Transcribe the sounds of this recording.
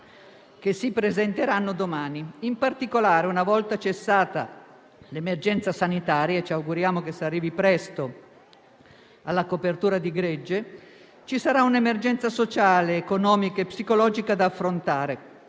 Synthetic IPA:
k̟esːipɾezent̪eɾanːod̪omaːniimpart̪ikolaːɾeunavɔlt̪at͡ʃesːaːt̪a | lemerd͡ʒɛnt̪sasanit̪aːɾjaet͡ʃiawɡuɾjaːmokesearːiːvipɾɛst̪o | alːakopert̪uːɾad̪iɡɾɛd͡ʒːe | t͡ʃisaɾaunemerd͡ʒɛnt̪sasot͡ʃaːleːkonɔːmikaepːsikolɔːd͡ʒikad̪aːfːɾont̪aːɾe

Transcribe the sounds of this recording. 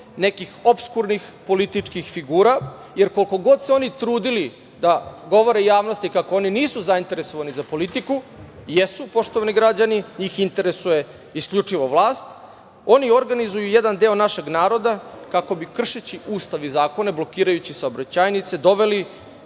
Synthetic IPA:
ne̞kixo̞pskuɾnixpo̞lit̪it͡ʂkixfiɡuːɾa | je̞ɾkolko̞ɡo̞d̪seo̞nit̪ɾuːd̪ili | d̪aɡo̞ʋo̞ɾejaːʋno̞st̪ikakoo̞niniːsuzaint̪e̞ɾeso̞ʋanizapo̞lit̪ikujesupo̞ʃt̪oʋaniɡɾad͡ʑaniɲiːxint̪e̞ɾesuje̞ | isklʎut͡ʂiʋo̞ʋlˠaːst̪ | o̞nio̞ɾɡanizujujed̪and̪e̞ːonaʃe̞ɡnaːɾo̞d̪akako̞bikr̩ʃet͡ɕiʔuːst̪aʋizaːko̞neblo̞kiːɾajut͡ɕisaobɾat͡ɕajnit̪se̞d̪o̞ʋe̞li

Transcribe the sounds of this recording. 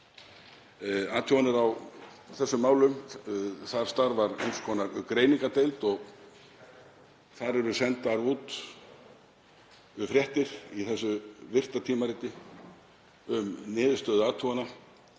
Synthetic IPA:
aːt̪ʰuanɪɾaw | θɛsːʏmːaːwlʏm | θaɾ̥st̪aɾvaɾḛjnskʰɔːnaɾkɾeːjniŋkat̪ejlt̪ɔɣ | θaɾɛɾʏsɛnt̪aɾuːt̪ | ʏfɾjɛht̪ɪɾ̥iθɛsːʏvɪr̥t̪at̪ʰiːmaɾɪt̪ːɪ | ʏmnɪːðʏst̪œːðʏaːt̪ʰuana

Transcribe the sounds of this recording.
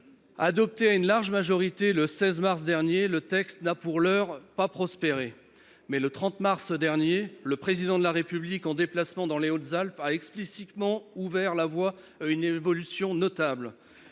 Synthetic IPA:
ad̪ɔp̚t̪eaynlaʁʒmaʒɔʁit̪eləsɛzmaʁs̬d̪ɛʁnjelət̪ɛkst̪napuʁlœʁpapχɔspeʁe | mɛlət̪χɑ̃t̪maʁsd̪ɛʁnjeləpχezid̪ɑ̃d̪əlaʁepyblikɑ̃d̪eplasmɑ̃d̪ɑ̃leot̪zalpaɛksplisit̪mɑ̃uvɛʁlavwa | aynevɔlysjɔ̃nɔt̪abl

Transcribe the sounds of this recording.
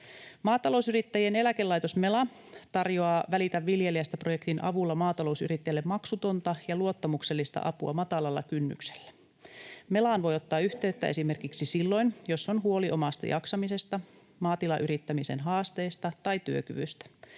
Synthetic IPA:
mɑːt̪ɑlo̞usyrit̪ːæjie̞ne̞læke̞lːɑjt̪osme̞lɑ | t̪ɑrjoɑːʋælit̪æʋːilje̞liæst̪æpro̞jekt̪inʔɑ̰ʋulːɑmɑːt̪ɑlo̞usy̰rit̪ːæjælːemmɑksut̪o̞nt̪ɑjɑluo̞t̪ːɑmukse̞lːist̪ɑ̰ʔɑ̰puɑ̰mɑt̪ɑlɑlːɑ̰kynːy̰kse̥lːæ̥ | me̞lɑːnʋo̞jot̪ːɑːyht̪e̞yt̪ːæʔe̞sime̞rkiksisilːo̞jnjo̞sːonɦuo̞liʔo̞mɑst̪ɑ̰jʔɑksɑmise̞st̪ɑ | mɑːt̪ilɑʔyɾit̪ːæmise̞̰nɦɑːst̪e̞ːst̪ɑt̪ɑjt̪yøkyʋyst̪æ̥

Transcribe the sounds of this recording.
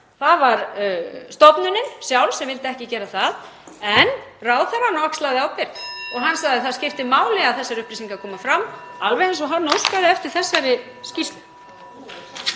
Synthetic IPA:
θaðvaɾst̪ɔpnʏnɪnsjawlsɛmvɪlt̪ɪɛhcɪcɛːɾaθað | ɛnraːwðθaɾanːɔkslaðɪawpɪɾt̪ɔɣɦanːsaɣðɪθaðscɪft̪ɪmaːwlɪɣaðθɛsːaɾʏhpɾisiŋkakʰɔːmafɾamːalvɛɣɪnsɔɦanːowskaðɪɛft̪ɪɾ̥θɛsːajɾɪ | scis

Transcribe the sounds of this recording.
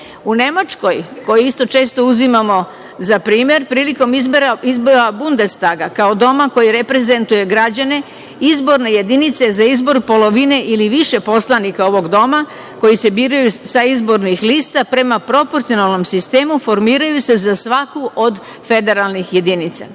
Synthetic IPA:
une̞mat͡ʃko̞jko̞jiist̪o̞t͡ʃe̞ːst̪o̞uzimamo̞ | zapɾiːmje̞ɾpɾiːliko̞miɾaizbo̞ɾabund̪e̞st̪aɡakao̞d̪o̞mako̞jiɾe̞pɾe̞ze̞nt̪uje̞ɡɾad͡ʑane̞ | izbo̞ɾne̞je̞d̪init̪se̞zaizbo̞ɾpo̞lo̞ʋine̞ʔiliʋiʃe̞po̞slˠanikao̞ʋo̞ɡd̪o̞ma | ko̞jise̞biːɾajusaizbo̞ɾnixliːst̪apɾe̞mapɾo̞po̞ɾt̪sijo̞nalˠno̞msist̪e̞ːmufo̞ɾmiːɾajuse̞zasʋakuʔo̞d̪ | fe̞d̪e̞ɾalˠnixje̞d̪init̪sa̰

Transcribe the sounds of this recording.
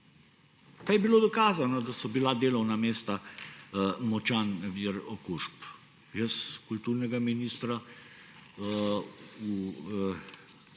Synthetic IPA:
kajɛbiloːd̪ɔkaːzanɔd̪asɔbilad̪eːlɔwnameːst̪a | mɔt͡ʃaːnʋiɾɔkuʃp | jəskult̪uɾnɛɡaminist̪ɾa | u

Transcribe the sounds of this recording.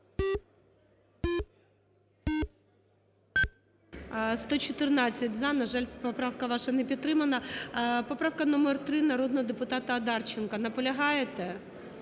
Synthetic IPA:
st̪ɔt͡ʃɔt̪ɪrnɑt͡sʲːɐtʲzɑnɐʒɑlʲpɔpɾɑwkɐʋɑʃɐnɛpʲid̪̚ːɾɪmɐnɐpɔpɾɑwkɐnɔmert̪ɾɪnɐɾɔd̪nɔɦɔd̪epʊt̪ɑt̪ɐɐd̪ɑrt͡ʃɪnkɐnɐpɔlʲɐɦɑjet̪ɛ

